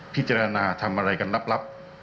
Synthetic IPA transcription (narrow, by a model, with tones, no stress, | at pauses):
pʰi˦˥t̪̚t͡ɕaː˧ɾa˧naː˧t̪ʰa˧mʔa˧ɾa˧jka˧nla˦˥p̚la˦˥p̚